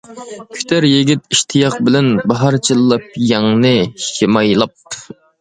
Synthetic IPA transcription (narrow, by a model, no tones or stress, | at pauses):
kʲʰy̥t̪ʰæɾjiɡʲit̪iʃt̪ʰijɑqbɪlɛnbɑɦɑɾt͡ʃʰilˠːɑp̚jɑŋnɨʃemɑjlˠɑp̪̚